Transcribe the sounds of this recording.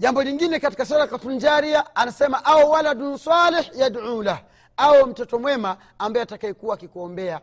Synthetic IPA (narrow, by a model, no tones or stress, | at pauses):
ʄambɔliŋɡinɛkati̥kasalakatund͡ʒaɾiaanasɛmaʔawɔwaladunsaliħjadʕula | aɔm̩tɔtɔmwɛmaː | mbajɔatakaɛkuwaːkikuɔmbɛa